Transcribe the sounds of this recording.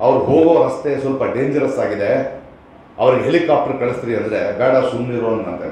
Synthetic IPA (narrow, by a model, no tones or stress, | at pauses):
ɐʋɐɾuɦoːɡoːɦɐst̪e̞sɐlpɐɖe̞ːɲd͡ʒɐɾɐsːaːɡid̪e̞ | ɐʋɐɾiɡeɦelikaːp̚ʈɐɾkɐɭist̪iɾiɐnd̪ɾe̞bɛːɽɐsumniɾoːɐnmɐɳt̪ɐ̰